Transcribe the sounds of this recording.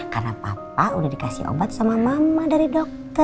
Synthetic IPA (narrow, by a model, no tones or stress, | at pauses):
ka̰rnapa̰p̚audahdikasḭho̰bat̪̚samamamadaɾidɔk̚t̪ɔ